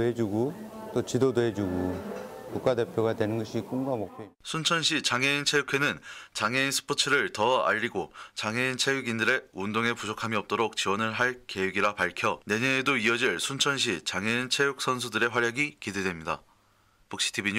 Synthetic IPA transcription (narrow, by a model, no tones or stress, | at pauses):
ɦed͡ʑuɡut͈ot͡ɕidodoɦed͡ʑuɡukuk͈ade̞pʰjoɡadwe̞nɯnɡʌɕʰik͈uŋɡamok̚pʰosʰunt͡ɕʰʌnɕʰit͡ɕaŋeint͡ɕʰejukʰe̞nɯnt͡ɕaŋeinsʰɯ̥pʰot͡ɕʰɯɾɯɭtʌa̰ʎːiɡot͡ɕaŋeint͡ɕʰejuɡindɯɾe̞undoŋe̞pud͡ʑokʰamiʌp̚t͈oɾok̚t͡ɕiwʌnɯɭɦaɭke̞weɡiɾapaɭkʰjʌne̞ɲʌnedoiʌd͡ʑiɭsʰunt͡ɕʰʌnɕ̬ʰit͡ɕaŋeint͡ɕʰejuk̚s͈ʰʌns̬ʰudɯɾe̞ɸwaɾjaɡikidwe̞dwemɲida̰ | puk̚ɕ͈ʰi̥tʰibiɲ